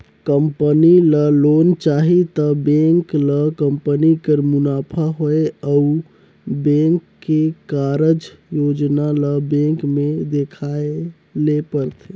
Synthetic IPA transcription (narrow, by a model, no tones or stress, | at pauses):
kəmpəniləlont͡ʃaɦit̪əbẽŋkləkəmpənikəɾmunapʰaɦoeau | bẽŋkːekaɾəd͡ʒjod͡ʒnaləbẽŋkmed̪ekʰae | lepəɾt̪ʰe